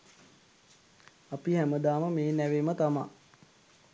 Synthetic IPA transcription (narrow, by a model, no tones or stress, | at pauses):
apihæməd̪aːməmeːnæʋeːmət̪ama̰